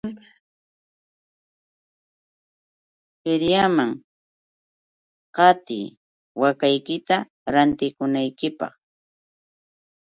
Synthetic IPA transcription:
hɪɾjamaŋ | qɑt̪ɪ̰j | wakajkɪt̪a | ɾant̪ɪkʊnajkɪpɑ̰χ

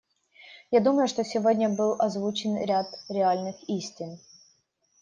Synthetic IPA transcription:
jad̪uməjʊʂt̪osʲɪvodʲnʲəbɨlˠɐzvut͡ɕɪnɾʲat̪ɾʲɪalʲnɨxisʲtʲɪn

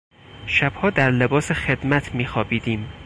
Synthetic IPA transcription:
ʃæb̥hɒːd̪æɾle̞bɒːsexe̞d̪̥mæt̪ʰmiːxɒːbiːd̪iːm

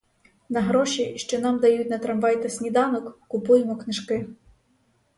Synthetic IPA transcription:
nɐɦɾɔʃiʃt͡ʃɔnɑmd̪ɐjutʲnɐt̪ɾɐmʋɑjt̪ɐsʲnʲid̪ɑnɔkːʊpujemɔknɪʃkɪ

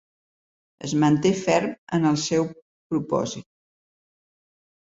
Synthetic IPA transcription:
ə̰zmənt̪efɛɾmənəlˠsɛw | pɾupɔ̰zit̪̚

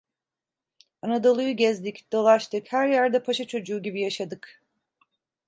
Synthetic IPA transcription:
anad̪o̞lˠujuɟɛzlʲicd̪o̞lˠaʃt̪ʰɯkhæɾjæɾd̪ɛpʰaʃat͡ʃʰo̞d͡ʒuːɟibijaʃad̪ɯk

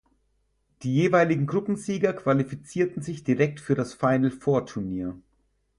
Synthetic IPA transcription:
d̥iːjeːvaɪlɪɡŋ̩ɡʁʊpm̩ziːɡɐkv̥alifit͡siːɐtn̩zɪçd̥iʁɛk̚tfyːɐɾasfaɪnl̩fɔːɐtʰuɐniːɐ

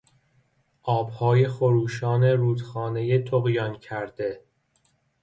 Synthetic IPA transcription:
ʔɒːb̥hɒːje̞xoɾuːʃɒːne̞ɾuːd̪xɒːne̞je̞t̪ʰoɣjɒncʰæɾd̪̥e̞

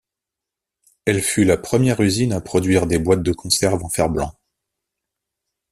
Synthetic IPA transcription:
ɛlfylapχəmjɛʁyzinapχɔd̪ɥiʁd̪ebwat̪̚d̪əkʰɔ̃sɛʁvɑ̃fɛʁblɑ̃

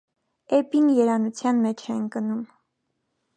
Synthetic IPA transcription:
ɛpinjɛɾɑnut͡sʰjɑnmɛt͡ʃʰɛnkənum

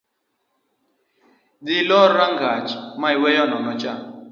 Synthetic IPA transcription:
dilɔɾaŋɡat͡ʃmaiwɛjɔnɔnɔt͡ʃʼa

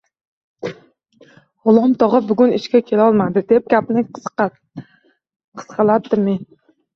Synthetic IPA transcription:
ʁʊlˠɒmt̪ʰɒʁɨbʊɡʲʊnɪʃkʲakʲʰe̞laɒlˠmad̪ɪd̪e̞p̚ɡʲap̚nɪ | qʰɨ̥sqʰɑlad̚d̪ɪmen

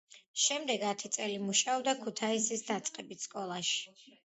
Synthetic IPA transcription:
ʃɛmd̪ɛɡat̪ʰit̪sʼɛlimuʃaɔbd̪akʰut̪ʰaisisd̪at̪sʼqʼɛbit̪ʰskʼɔlˠaʃi̥

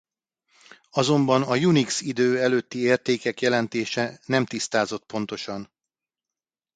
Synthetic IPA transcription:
ɒzo̞mbɒnɒjuniksid̪øːɛløːt̪ːieːrt̪eːkɛkjɛlɛnt̪eːʃɛnɛmt̪ist̪aːzo̞t̪̚po̞n̪t̪o̞ʃɒn

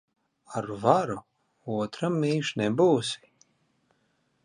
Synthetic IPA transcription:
aɾvaɾu | uɔt̪ɾamːiːʃnɛbuːsi̥

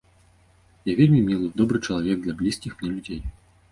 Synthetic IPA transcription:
javʲelʲmʲimʲilˠɨd̪ɔbɾɨt͡ʂɐlˠavʲɛɡ̚d̪lʲablʲiskʲixmnʲɛlʲud͡zʲej

